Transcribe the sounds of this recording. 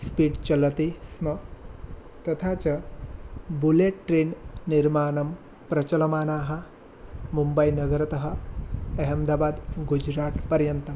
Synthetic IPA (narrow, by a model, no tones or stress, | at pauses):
spiːɖt͡ʃɐlɐt̪ismɐ | t̪ɐt̪ʰaːt͡ʃɐ | buleʈʈɾeːnniɾmaːnɐm | pɾɐt͡ʃɐlɐmaːnaːɦɐ̆ | mumbɐjnɐɡɐɾɐt̪ɐɦɐ̆ɐɦɐmd̪aːbaːd̪ɡud͡ʒɾaːʈ̪pɐɾjɐnt̪ɐm